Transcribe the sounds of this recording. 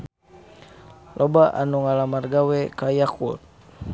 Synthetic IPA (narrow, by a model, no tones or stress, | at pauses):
lʔobaʔanuŋalamarɡawɛkajakut̪̚